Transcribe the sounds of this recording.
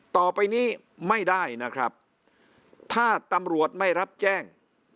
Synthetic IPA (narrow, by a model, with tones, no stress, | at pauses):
t̪ɔː˨˩pa˧jniː˦˥˩ | ma˥˩jda˥˩jna˦˥kʰɾa˦˥p̚ | t̪ʰaː˥˩t̪a˧mɾu˨˩ət̪̚ma˥˩jɾa˦˥p̚t͡ɕɛː˥˩ŋ